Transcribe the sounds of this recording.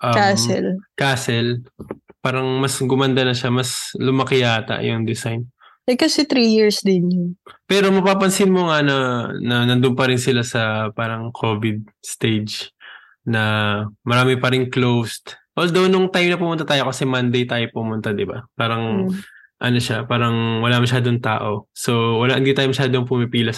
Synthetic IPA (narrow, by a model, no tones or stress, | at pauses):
ʔɐamɛlkaːsɛlpaːɾɐŋmɐsɡʊmɐnd̪ɐnɐʃamɐslʊmɐkɪjaːt̪ɐ̰ʔjʊŋd̪ɪsajn | ʔɐjkɐsɛt̪ɾijɪɹsd̪ɪnjʊnpɛːɾo̞mɐpaːpɐnsɪnmoŋanɐnɐnɐnd̪ʊmpɐɾɪnsɪlasɐpaːɾɐŋkʰo̞vɪd̪̚ | st̪ejd͡ʒ | nɐmɐɾaːmɪpɐɾɪŋklowst̪wɛld̪ɐwnʊŋt̪ajmnɐpʊmʊnat̪aːjo̞kɐsɛmand̪ejt̪aːjo̞pʊmʊnt̪ad̪ɪba̰paːɾɐŋ | ʔɐ̰no̞ʃapaːɾɐŋwɐlamɐʃaːd̪oŋt̪a̰ːʔo̞so̞wɐlaʔɪnd̪it̪aːjomɐʃaːd̪oŋpʊmɪpiːlɐ